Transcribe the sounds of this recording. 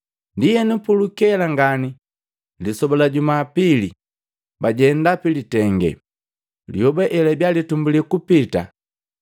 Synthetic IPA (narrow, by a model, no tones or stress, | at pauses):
ndijɛnupulukɛlaŋɡani | lisɔbɔlaɟumaːpili | baɟɛndapilitɛŋɡɛ̰ | lḭɔbɛʔɛlɛbjalitumbulikupita̰